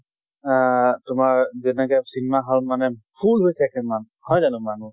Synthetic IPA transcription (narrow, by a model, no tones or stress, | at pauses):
tʊmaɹzɛnɛkajsinɛmaɦɔlmanɛpʰulɦojsʰɛkɛman | hɔjzalʊ̃manu